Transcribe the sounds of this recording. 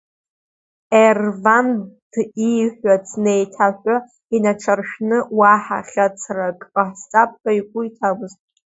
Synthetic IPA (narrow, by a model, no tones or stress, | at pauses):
ervand̥ijħʷat͡sʰnejtʰaħʷᶣʼa | inaʈ͡ʂʰarʃᶣnɨwaħa̰χʲat͡sʰrakʼaħst͡sʼap̚ʰʼɡʼaikʷʼʊitʰabʷɨztʼ